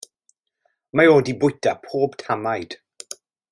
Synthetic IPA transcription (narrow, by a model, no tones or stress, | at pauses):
maoːdibʊjtʰapʰoːbtʰamajd̥